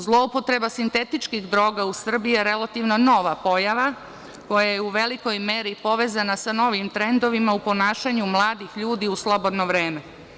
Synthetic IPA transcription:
zlˠo̞upo̞t̪ɾe̞basint̪e̞t̪it͡ʃkiɣd̪ɾo̞ːɡausr̩bijeɾe̞lˠat̪iʋno̞no̞ːʋapo̞jaʋa | ko̞jajeuʋe̞liko̞jmeːɾipo̞ʋe̞ːzanasano̞ʋimt̪ɾe̞nd̪o̞ʋimaupo̞naːʃaɲumlˠaːd̪ixʎuːd̪iuslˠo̞bo̞d̪noʋɾeːme

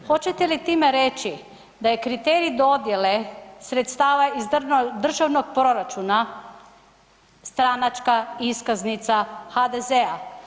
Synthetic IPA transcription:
xo̞t͡ʃet̪e̞lit̪iːmeɾet͡ʃi | d̪ajekɾit̪eːɾid̪o̞d̪je̞lesɾet̪st̪aːʋaizd̪r̩ʒaʋnoɡ̚pɾo̞ɾat͡ʃuna | st̪ɾanat͡ʃkaiskaznit̪saxad̪ezea

